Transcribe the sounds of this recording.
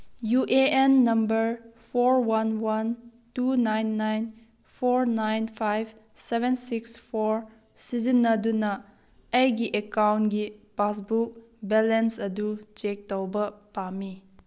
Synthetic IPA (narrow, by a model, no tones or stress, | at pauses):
juʔeenːɐmbəɾpʰoɾwanwan | tunajnːajn | pʰoɾnajnpʰajb | sebensikspʰoɾ | sizinːɐdunɐ | ɐjɡiʔekawnɡipas̬buk̚ | bɛlensɐdut͡ʃek̚tawbɐpami